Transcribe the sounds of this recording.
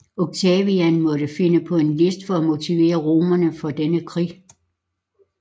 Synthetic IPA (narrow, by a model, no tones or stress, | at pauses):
oɡ̥̚t͡sʰɛʋiænmɒ̽d̥əfe̝nəpʰɒ̽e̝nle̝sd̥fɒ̽æmo̝t͡sʰiʋe̝̰ːɐʁo̝ːmɐnəfɒ̽d̥enəkʰʁḭː